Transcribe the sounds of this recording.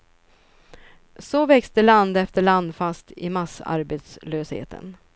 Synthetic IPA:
sɔvɛkst̪əɭand̪ɛft̪əɭand̪fast̪ɪmasa̰ɾbeːt̪sløːshḛːt̪ʰə̰n

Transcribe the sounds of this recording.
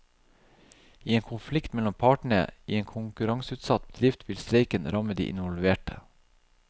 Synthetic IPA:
iːeːŋkʰʊnflɪkt̪mɛlɔmpʰɑːʈɳ̩ə̰ḭːeːŋkʰʊŋkʉɾɑŋsʉːt̪sɑt̪̚bəd̪ɾɪft̪ʰʋɪlst̪ɾeɪkənɾɑməd̪ḭːʔɪ̰nʋɔlʋeːʈə

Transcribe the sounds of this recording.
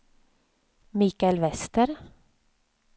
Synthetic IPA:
miːkaɛlvɛst̪əɾ

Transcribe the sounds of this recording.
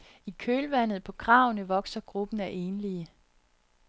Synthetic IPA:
ikʰøːlʋæn̰ð̞̩ˠpʰɒ̽kʰʁɑ̈ʊnəʋɒ̽ɡ̥sɐɡ̥ʁub̥n̩æʔe̝ːnliə

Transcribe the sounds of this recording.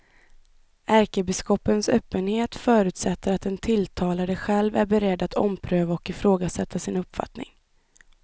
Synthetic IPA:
ʔæɾkəbɪskɔpːənsœːpːənheːt̪fœːɾʉ̟ːt̪sɛt̪ːəɾat̪ɛnt̪ʰɪlt̪ʰɑːlad̪əɧɛlvæ̰ɾbɛɾɛd̪ːat̪ʰɔ̰mpʰɾøːvaɔkɪfɾoːɡasɛt̪ʰːasɪnɵpːfa̰t̪nɪ̰ŋ

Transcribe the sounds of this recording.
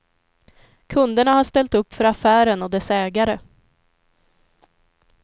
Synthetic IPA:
kʰɵnd̪əɳahaʂt̪ɛlt̪ɵpːfœɾafæːɾənɔd̪ɛsɛːɡaɾə

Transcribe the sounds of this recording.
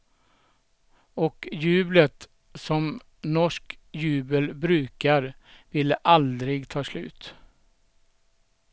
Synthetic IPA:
ɔkjʉːblət̪ | sɔm | nɔʂkjʉ̟ːbəlbɾʉːkaɾvɪlːəʔald̪ɾɪɡt̪ʰɑːslʉ̟̰ːt̪

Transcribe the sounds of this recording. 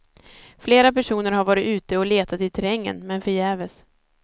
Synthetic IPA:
fleːɾapæʂuːnəɾɦaɾvɑːɾɪt̪ʉ̟ːt̪əɔleːt̪ʰat̪ɪt̪ʰɛɾɛŋːə̰nmɛnfœɾjɛːvəs

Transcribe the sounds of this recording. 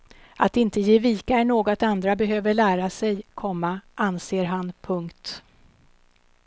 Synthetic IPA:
at̪ɪnt̪əjeːviːkaɛɳoːɡɔt̪and̪ɾabɛɦøːvəɭæːɾasɛjkʰɔmːaʔanseːɾɦanpʰɵŋkt̪

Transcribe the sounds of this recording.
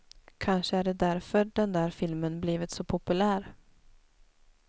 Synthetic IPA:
kʰanʂəæɖɛd̪æɾfœɖɛnd̪æːɾfɪlmənbliːvɪt̪sɔpʰʊpɵlæːɾ

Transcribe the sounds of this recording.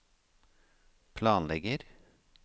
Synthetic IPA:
pʰlɑːnlɛɡəɾ

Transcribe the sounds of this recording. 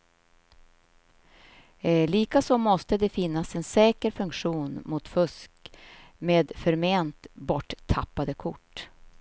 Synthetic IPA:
liːkasɔmɔst̪əd̪ɛfɪnːasɛnsɛːkəɾfɵŋkɧuːnmʊt̪fɵskmeːd̪fœɾmeːnt̪bɔʈːt̪ʰːapːad̪əkʰʊʈː

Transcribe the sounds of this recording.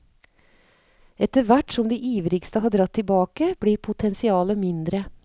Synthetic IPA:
ɛt̪əɾʋæʈsɔmd̪iːʔiːʋɾɪkst̪əhɑːd̪ɾɑt̪ʰːɪlbɑːkəb̥ɽiːɾpʰʊt̪ʰɛnsɪɑːləmɪnd̪ɾə

